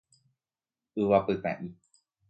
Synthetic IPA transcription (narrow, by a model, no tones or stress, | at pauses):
ɨʋapɨt̪ã̰ʔĩ